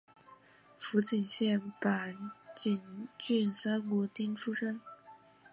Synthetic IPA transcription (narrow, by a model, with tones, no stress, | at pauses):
fu˧˥t͡ɕi˨˩nɕjɛ˥˩npa˨˩nt͡ɕi˨˩nt͡ɕy˥˩nsa˥nkwɔ˧˥t̪i˥ŋʈ͡ʂʰu˥ʂɤ˥ŋ